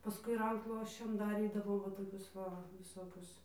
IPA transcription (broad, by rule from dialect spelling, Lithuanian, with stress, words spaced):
pɐˈskʊɪ ˈrɐŋkʃlˠuɔsʲt͡ʃʲɛm dɐˈrʲiːdɐʋoːm ˈʋɐ toːˈkʲʊs ˈʋɐ ʋʲɪˈsoːkʲʊs